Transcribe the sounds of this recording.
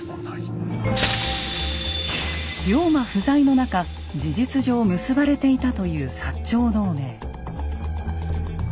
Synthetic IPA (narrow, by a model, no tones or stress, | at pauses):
ɾʲo̞ːmaɸɯ̟zaino̞naka | d͡ʑiʑit͡sɨʑo̞ːmɯsɨbaɾe̞t̪e̞it̪at̪o̞jɯ̟ːsat͡ɕːo̞ːno̞ːme̞ː